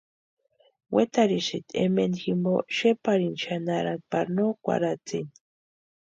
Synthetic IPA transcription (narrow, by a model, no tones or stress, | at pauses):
wet̪aɾiʃit̪ḛmenximbo̰ʃepaɾinʃanaɾanpaɾnokʷa̰ɾat͡sin